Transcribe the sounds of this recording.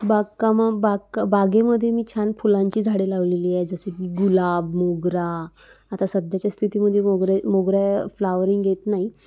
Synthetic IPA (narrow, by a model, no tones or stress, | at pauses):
baɡkamabakbaɡeməd̪ʱːjemiːt͡ɕʰanfulãɲt͡ɕiːd͡zʱaɽelaʋleliːad͡zəsemiːɡulabmoɡɾa | at̪asəd̪ʱjat͡ɕjast̪ʰit̪iːməd̪ʱjemoɡɾemoɡɾjaflaʋəɾiŋɡɡjet̪naɦi